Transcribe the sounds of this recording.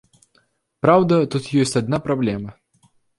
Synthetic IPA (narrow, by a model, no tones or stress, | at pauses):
pɾawd̪ɐt̪ut̪jɔsʲt͡sʲad̪̚napɾablʲɛmɐ